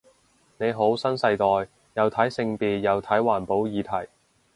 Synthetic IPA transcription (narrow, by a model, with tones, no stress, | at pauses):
ne˨˧jɦo˨˥wsɐ˥nsɐ˧jt̪ɔː˨j | jɐ˨˧wt̪ʰɐ˨˥jsɪ˧ŋpiː˧t̚jɐ˨˧wt̪ʰɐ˨˥jwaː˨˩npo˨˥wjiː˨˧t̪ʰɐ˨˩j